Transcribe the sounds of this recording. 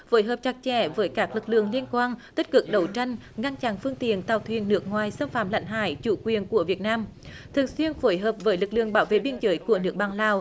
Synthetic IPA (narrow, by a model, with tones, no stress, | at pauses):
fo˧˦jɦəː˨˩p̚t͡ɕa˨˧˩k̚t͡ɕɛ˧˩vəː˨˦jkaː˦˥k̚lɨ˨˩k̚lɨ̰˧˨əŋli˧ənkwaː˧nt̪i˦˥k̟̚kɨ˨˩k̚ɗə˨˦wt͡ɕa˧jŋ | ŋa˧nt͡ɕa˧˨˩nfɨ˧əŋt̪ḭ˧˨ənt̪aː˨˩wt̪ʰwḭ˨ənːɨ˦˥ək̚ŋwaː˨˩jsə˧mfaː˧˩mla̰˧˥jŋ̟ɦa̰ː˧˩˨jt͡ɕṵ˧˩kwi˨˩ənku˧˩əvi˨˩ət̚naː˧m | t̪ʰɨ˨˩əŋswi˧ənfo˧˦jɦəː˨˩p̚vəː˨˦jlɨ˨˩k̚lɨ̰˧˨əŋɓaː˨˦wvḛ˧˨ɓi˧ənzəː˨˦jku˧˩ənɨ˦˥ək̚ɓaː˨˩ŋlaː˨˩w